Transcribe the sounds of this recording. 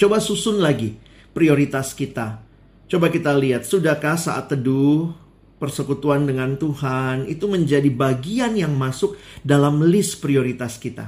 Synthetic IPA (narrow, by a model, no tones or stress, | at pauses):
t͡ʃobasusʊnlaɡi | pɾioɾit̪askit̪a | t͡ʃobakit̪aliat̪̚sudakahsa̰ʔa̰t̪ːəduh | pərsəkut̪uandəŋant̪uhanit̪uməɲd͡ʒadibaɡianjaŋmasʊk̚dalamlɪspɾioɾit̪askit̪a̰